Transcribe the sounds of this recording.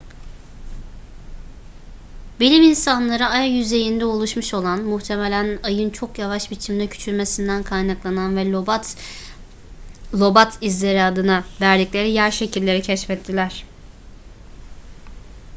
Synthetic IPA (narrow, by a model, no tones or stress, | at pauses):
bilʲiminsanlˠaɾɯajajyze̞jind̪ɛo̞lˠuʃmuʃo̞lˠanmuht̪ʰe̞melʲænajɯnt͡ʃʰo̞kjavaʃbit͡ʃʰimd̪ɛcʰy̥t͡ʃʰyɾme̞sind̪ænkʰajnaklˠananvɛ | lˠo̞bat̪ʰizlʲe̞ɾiad̪ɯnavæɾd̪iclʲe̞ɾijæɾʃe̞cʰilʲːe̞ɾicʰɛʃfɛt̪ʰːilʲæɾ̝̥